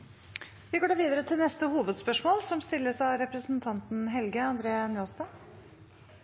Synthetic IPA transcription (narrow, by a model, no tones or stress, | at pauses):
ʋɪɡoːɖɑːʋiːd̪əɾət̪ʰɪlnɛst̪əhuːʋəd̪spœʂmoːlsɔmst̪ɪlːəsɑɾɛpɾəsnt̪ʰɑnt̪n̩ɦɛlɡəɑnd̪ɾeːnjoːst̪ɑ